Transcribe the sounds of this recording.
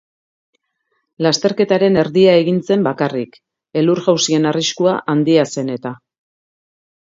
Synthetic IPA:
last̪e̞ɾke̞t̪aɾe̞ne̞ɾðiae̞ɣint͡se̞mbakarik | e̞luɾɣawsie̞nariskuaʔand̪iase̞ne̞t̪a

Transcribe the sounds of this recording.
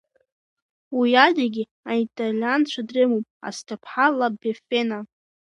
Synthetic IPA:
wiadaɡʲi | aitʼalʲant͡ɕʷʰadrɨmopʼa̰stʰapʰħalabefena

